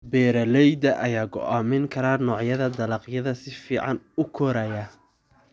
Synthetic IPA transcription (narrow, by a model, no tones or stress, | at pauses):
bɛːɾɐlɛjd̪ɐʔɐjaːɡɔ̰ʔaːmɪŋkʰɐɾaːnɔːʕjɐðɐd̪ɐlɐqjɐðɐsɪfiːʕɑnʊkʰɔɾɐjɐ